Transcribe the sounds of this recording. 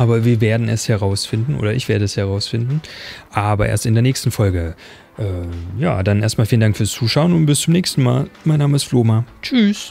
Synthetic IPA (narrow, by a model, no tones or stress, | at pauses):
ʔaːbɐviːɐveːɐdn̩ɛ̰shɛʁaʊsfɪndn̩ʔo̰ːdɐʔɪçv̥eːɐɾəɛshɛʁaʊsfɪndn̩ʔaːbɐʔḛɐstɪndeːɐnɛːçstn̩fɔlɡə | ʔɛːja̰ːd̥anʔḛːɐstmaːlfiːləndaŋkfyːɐst͡suːʃaʊənʊntb̥ɪst͡sʊmnɛːçstn̩maːlmaɪnːaːməɪstfloːmat͡ʃyːs